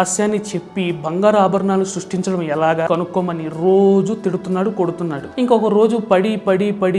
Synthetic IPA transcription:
aːʃjaːnːit͡ʃe̞pːibʱɐŋɡaːɾaːbʱɐɾɐɳaːlusɾuʂʈiɲt͡ʃɐɽɐmɛlaːɡaːkɐnukːɔːmɐniɾo̞ːd͡ʒut̪iɽut̪unːaːɽuko̞ɽut̪unːaːɽuiŋkɔkɐɾo̞ːd͡ʒupɐɽipɐɽipɐɽi

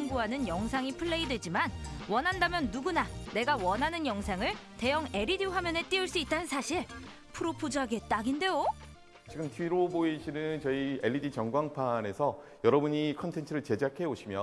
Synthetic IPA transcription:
ŋbuɦanɯnjʌŋsʰaŋipʰɯɭːe̞idwe̞d͡ʑimanwʌnɦandamjʌnːuɡunane̞ɡawʌnɦanɯnjʌŋsʰaŋɯɭte̞jʌŋe̞ɾidiɸwamjʌne̞t͈iɯɭs͈uit̚t͈anɯnsʰaɕʰiɭ | pʰuɾopʰod͡ʑaɡe̞t͈aɡinde̞jo | t͡ɕiɡɯmtʰɥiɾoboiɕʰinɯnt͡ɕʌie̞ɭːidit͡ɕʌŋɡwaŋpʰane̞sʰʌ | jʌɾʌbuɲikʰʌntʰe̞ntʰɯɾɯɭt͡ɕe̞d͡ʑakʰe̞oɕʰimjʌ

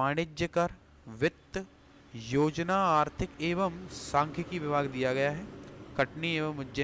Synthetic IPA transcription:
aːɽ̃ɪd͡ʒjəkɐɾ | ʋɪt̪ː | joːd͡ʒnaːaːɾt̪ʰɪkeːʋəmsãːŋkʰjəkiʋɪbʱaːɡd̪ijaɡɐjaɦɛːkɐʈnieːʋəmʊd͡ʒə

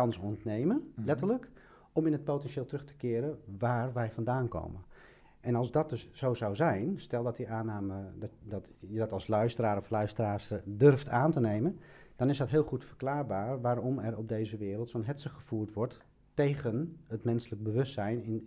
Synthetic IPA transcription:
ɑnəsɔntnejməlɛtərlək | ɔmɪnət̚powtɛnʃɪːlˠtrɵχtə̥kɪːɾəʋaːrʋɛjfɑndaːnko̰wmən | ʔɛnɑlˠsdɔt̚døsz̥owzawzɛjnstɛlˠdɔtdiʔaːnaːmədɔtjədɔtɑlˠslœɥstəɾaːɾɔflœɥstəraːsədørftʰaːntənejmənd̥ɑnɪsdɔtɦɪːlˠχutfərklaːɹbaːɹʋaːrɔmɛrɔb̚dejzəʋɪːɾəlˠtsoːnɦɛtsəχəfuːrtʋɔɹtː | ejɣənətmɛnsələk̚bəʋɵstsɛjnɪn

